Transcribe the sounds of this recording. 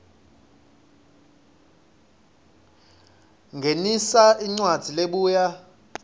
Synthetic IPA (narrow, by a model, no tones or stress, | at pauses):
ŋɡʱenisaʔiŋ͡ǀwad̥d͡z̥ʱileɓuːja